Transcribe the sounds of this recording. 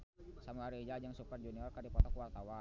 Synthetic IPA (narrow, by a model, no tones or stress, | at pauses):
samuaɾiid͡ʒad͡ʒaŋsupərd͡ʒuniɔrkardipɔt̪ɔkuwart̪awa